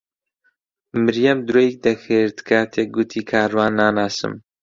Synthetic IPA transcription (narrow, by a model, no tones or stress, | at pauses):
mɨɾjɐmd̪ɾoːjik̚d̪ɐxɨɾt̪kʰat̪ʰeːɡut̪ʰiːkʰaːɾwaːnːaːnaːsɨ̰m